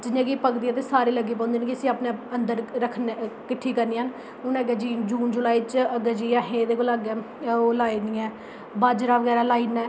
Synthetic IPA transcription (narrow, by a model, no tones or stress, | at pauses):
d͡ʒɪnãːɡiːpəkd̪iːɛ̃ːt̪eːsaːɾeːləɡeːp̬ãːnd̪eːnkɪəsĩːaːpnẽənd̪əɾɾəkʰnkɪʈʰːiːkəɾniːɦən | ʊnɛːɡɛd͡ʒiːd͡ʒuːnd͡ʒʊlaːiːt͡ʃəɡɛd͡ʒiːaɦẽːd̪eːkoːlaɡɛː | olaːiːniːɛː | baːd͡ʒɾaːʋəɡɛːɾaːlaːiːnɛː